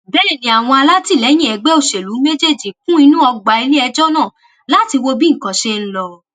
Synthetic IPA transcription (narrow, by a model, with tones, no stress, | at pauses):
bɛ˦ɾe˦˨nĩ˨˦a˨w̃ɔ̃˧a˧la˦ti˦˨lɛ˨˦j̃ĩ˦ɛ˧ɡ͡bɛ˦o˦˨ʃe˨lu˨˦me˦d͡ʒe˦˨d͡ʒi˨kũ˦i˧nũ˦ɔ˧ɡ͡ba˨i˧li˦ɛ˧d͡ʒɔ˦nãː˦˨ | la˦ti˧wo˧bĩ˦ŋ̩̃˨kã˨˧ʃe˦n̩˦lɔ˧